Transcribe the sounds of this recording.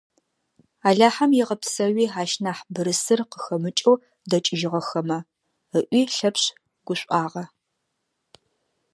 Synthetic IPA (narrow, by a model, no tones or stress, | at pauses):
aːɮaːħɐmjɪʁɐpsɐwiːaːʃnaːħbɨɾɨsɨrqəxɐmɨt͡ʃʼow | dɐt͡ʃʼɪʒɪʁɐxɐmɐ | əʔʷiːɬɐpɕ | ɡ̥ʷʊɕʷʼaːʁɐ